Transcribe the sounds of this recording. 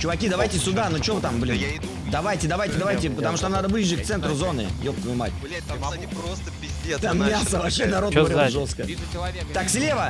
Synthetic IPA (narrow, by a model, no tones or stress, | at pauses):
t͡ɕʊvɐkʲid̪ɐvajtʲɪsʲʊd̪anot͡ɕɪovt̪amblʲin | d̪ɐvajtʲɪd̪ɐvajtʲɪd̪ɐvajtʲɪpət̪ɐmuʂt̪anad̪əvɨjɪʐːək̚t̪sɛnt̪ɾʊzo̞nɨ̰ɪ̰jopəmɨma̰tʲ | t̪amːʲasəvɐpɕːenɐɾo̞t̪ɐɾʲoʐoskə̰ | t̪aksʲlʲe̞və